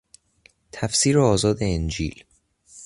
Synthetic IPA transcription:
t̪ʰæfsiːɾoɒːzɒːd̪eend͡ʒḭːl

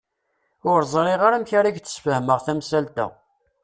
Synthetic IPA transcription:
ʊɾzˤɾˤiʁaɾæmçaɾaʝt̪ːə̥sfəhməʁθæmsælt̪æ̰

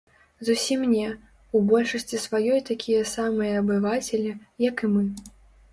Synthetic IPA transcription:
zusʲimnʲɛ | ubɔlʲʂɐsʲt͡sʲisvajɔjt̪akʲʰijɐsamɨjɐːbɨvat͡sʲɛlʲijɐkɨmɨ

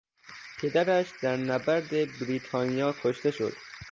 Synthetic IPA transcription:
pʰed̪æɾæʃd̪̥æɾnæbæɾd̪ebɾiːt̪ʰɒːnijɒːkʰoʃt̪e̞ʃo̰d̪̥

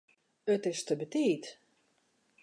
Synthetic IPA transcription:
ətɪstəbətiːt

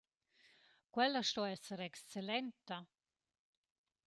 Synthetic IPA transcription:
kwɛlaʃt̪ɔɛsəɾɛkst͡selɛnt̪a

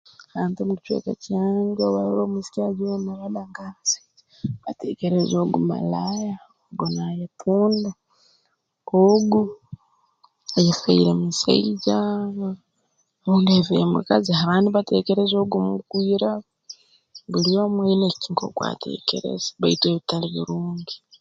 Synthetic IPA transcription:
aːntomuki̥t͡ʃwḛka̰caːɲɡeoβaoɾoːmisi̥kaɟiwemalabaŋɡaasḁ | βatḛːkeɾezoɡuma̰laja | oɡonajetʰuːnda | oɡu | ajefaiɾemisa̰iɟa | uːndevemṵkaziɦaβaːniβate̞ːkeɾezoɡumukwiːɾa | βulijomweneciŋko̰kwa̰ːtʰḛːkḛɾḛzβaitweːβitaliβiɾuːŋɡi

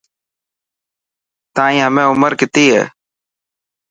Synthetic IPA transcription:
t̪ãːĩːɦəmẽːʊməɾkɪt̪iːɦḛː

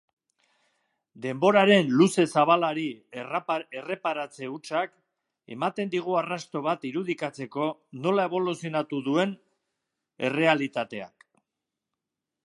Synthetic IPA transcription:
d̪e̞mbo̞ɾaɾe̞nluse̞saβ̞alaɾi | ere̞paɾat͡se̞ut͡ʃak | e̞̰mat̪e̞nd̪iɣ̞uarast̪o̞β̞at̪iɾuð̞ikat͡se̞ko̞no̞lae̞β̞o̞lusijonat̪uðue̞n | e̞re̞alit̪at̪e̞a̰k

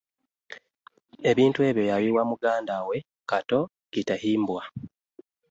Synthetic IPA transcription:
e̞βiːntue̞ːβjo̞jaliwamuɡaːndawe̞ | kato̞ | ɡ̥itahiːmbwa

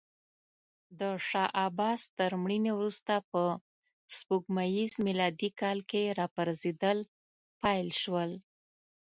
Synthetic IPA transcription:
d̪əʃɑʔɑbɑst̪əɾmɽinewɾust̪apə | spuɡmajizmilɑd̪ikɑlkeɾɑpaɾzed̪əl | pɑjlʃwəl

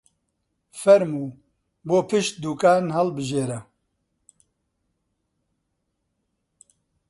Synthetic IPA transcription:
fɛɾmuː | boːpʰɨʃt̪̚d̪uːkaːnhɐlbɨʒeːɾɛ

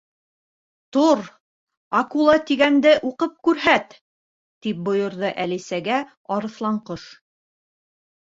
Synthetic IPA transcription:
t̪uɾ | ɑkulˠɑt̪iɡænd̪ɘʔuqɤp̚kʉɾɦæt̪ː | ip̚bŏjŏɾðɤʔælisæɡæ | ɑɾɤ̆θlˠɑɴqɤʃ

